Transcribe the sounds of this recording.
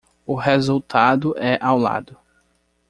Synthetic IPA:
ʊɦezuwt̪ʰad̪ʊʔɛʔawla̰d̪ʊ

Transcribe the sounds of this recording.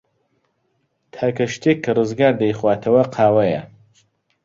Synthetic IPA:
t̪ʰaːkɐʃt̪ʰekʰːɐrɨzɡaːɾd̪ɐjχwaːt̪ʰɐwɐqʰaːwɐjɐ

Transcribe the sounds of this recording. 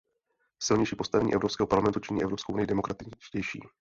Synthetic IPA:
sɪlɲɛjʃiːpo̞st̪avɛɲ̰ːʔɛvɾo̞pskɛːɦopaɾlamɛnt̪ut͡ʃɪɲiːʔɛvɾo̞pskowʔunɪjɪdɛmokɾat̪ɪt͡ʃcɛjʃḭː

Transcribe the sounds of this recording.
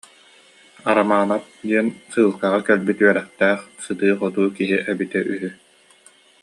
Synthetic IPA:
aɾamaːnat̪̚d̪iɛnsɯːlˠkaʁakɛlbit̪yɛɾɛχt̪ɛːχsɯd̪ɯːχɔt̪uːkiɦiʔɛbit̪ɛʔyɦy

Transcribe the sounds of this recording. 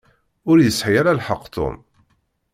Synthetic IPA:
ʊɾjəsħijaɾalħəqːt̪o̰m

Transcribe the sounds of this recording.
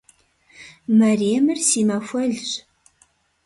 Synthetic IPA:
mɐreːmɨrsiːmɐfʷɐɮɕ

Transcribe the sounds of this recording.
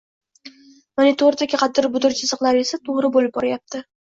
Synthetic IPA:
monit̪ʰoɾd̪akʲɪqʰɑt̪̚ːɪɾbʊd̪ʊɾt͡ʃʰɪsɨqlˠaɾesat̪ʰoʁɾɪbolɪp̚bɒɾajap̚t̪ʰɪ

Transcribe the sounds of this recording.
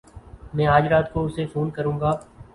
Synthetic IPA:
mɛ̃ːaːd͡ʒɾaːt̪koʊsefoːnkəɾũːɡaː

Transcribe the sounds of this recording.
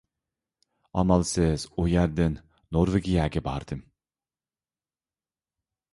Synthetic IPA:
ɑ̰mɑlˠsɪz̥ʊjæɾd̪ɪnː | oɾveɡʲijaːɡʲɛbɑɾd̪̥ɨm

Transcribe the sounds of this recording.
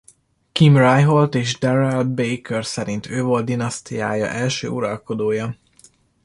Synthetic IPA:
kimrajɦolt̪eːʒd̪ɛɾɛlbejkɛrsɛɾint̪ʰøːvolt̪̚d̪inɒst̪ijaːjɒ̰ʔɛlʃø̰ːuɾɒlko̞d̪oːjɒ

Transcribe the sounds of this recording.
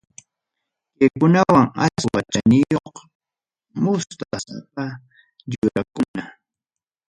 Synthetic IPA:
kɪkʊnawaŋa̰wat͡ʃanɪjoq | mʊst̪asapa | ʎʊɾakʊna

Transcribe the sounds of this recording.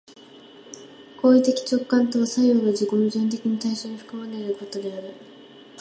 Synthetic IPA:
ko̞ːit̪e̞kʲi̥t͡ɕo̞kːãnt̪o̞saioɡad͡ʑikomʲiʑɨ̃nt̪̬e̞kʲiɲ̟it̪aiɕo̞ːɲ̟iɸɯ̟̥kɯmane̞ɾɯ̟ko̞t̪o̞d̪e̞aɾɯ̟

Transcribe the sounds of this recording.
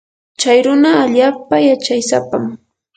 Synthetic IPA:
t͡ʃajɾʊnaːʎaːpajat͡ʃajsa̰pam

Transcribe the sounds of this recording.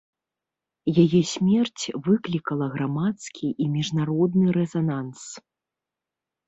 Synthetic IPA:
jajɛsʲmʲɛrt͡sʲvɨklʲikɐlˠɐɣɾamat̪skʲʰiʔimʲiʐnaɾɔd̪nɨɾɛzanans

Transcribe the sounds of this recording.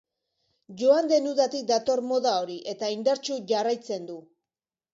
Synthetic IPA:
ʝo̞and̪e̞nuðat̪ik̚d̪at̪o̞ɾmo̞ðao̞ɾiʔe̞t̪aind̪aɾt͡ʃuʝarajt͡se̞nd̪u

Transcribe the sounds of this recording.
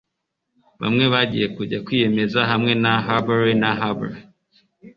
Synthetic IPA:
βa̰mŋe̞βaɟḭje̞kuɟakwiːje̞me̞zaɦamŋe̞naɦabaɾinaɦaba̰ɾi

